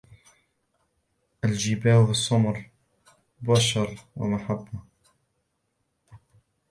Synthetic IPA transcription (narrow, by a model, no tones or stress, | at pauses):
ʔalʒibaːhwɪsˤːɑmɾˤ | baːʃɑɾˤwɪ̰maħabːa